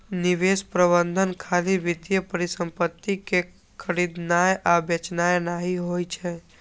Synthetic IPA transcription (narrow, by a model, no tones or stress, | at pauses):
nɪʋespɾəbə̃nd̪ʱənkʰaliʋɪt̪jəpəɾisə̃mpət̪ːike | kʰəɾid̪najʔabet͡ʃnajnaɦiɦojt͡ʃʰe